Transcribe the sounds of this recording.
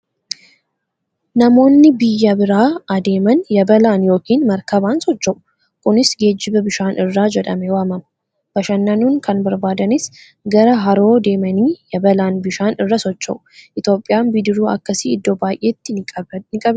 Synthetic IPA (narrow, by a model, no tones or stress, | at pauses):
nɐmo̞ːnːɪbɪjːɐbɪɾaːɐd̪e̞ːmɐnjɐbɐlaːnjo̞ːkiːnmɐɾkɐbaːnsɔt͡ʃːɐʔʊ̥ | kʊnɪsɡe̞ːd͡ʒːɪbɐbɪʃaːnʔɪrːaːd͡ʒɛᶑ̪ɐmɛwaːmɐm | bɐʃɐnːɐnuːŋkɐnbɐɾbaːd̪ɐnɪs | ɡɐɾɐɦɐɾo̞ːd̪e̞ːmɐniːjɐbɐlaːnbɪʃaːnɪrːɐsɔt͡ʃːɐʔʊʔɪt̪jo̞ːpʼːɪjaːnbɪd̪ɪɾuːɐ̰kːɐsiːɪd̪ːobaːjʔeːt̪ːɪnɪkʼɐb